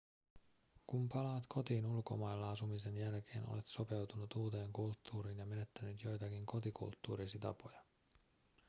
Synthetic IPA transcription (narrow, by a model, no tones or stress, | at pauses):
kumpɑlɑːt̪kʰo̞t̪iːnulko̞mɑjelːɑɑsumise̞njælk̟ʰe̞ːnʔo̰le̞t̪so̞pe̞wt̪unut̪uːt̪e̞ːŋkult̪ːuːɾiːnjɑme̞ne̞t̪ːænyt̪jo̞jt̪ɑkiŋko̞t̪ikṵlt̪ːṵːɾisit̪ɑ̰po̞jɑ